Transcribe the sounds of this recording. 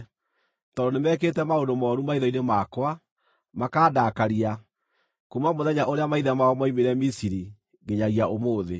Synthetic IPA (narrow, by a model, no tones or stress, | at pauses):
tɔdonemɛk̬etɛmaondomɔɾumaiðɔinemaːkwa | makaːdaːkaɾia | kumamoðɛɲaʔoɾeamaiðamaɔmaimeɾɛmisiɾi | ɡeɲaɣiaomoːðe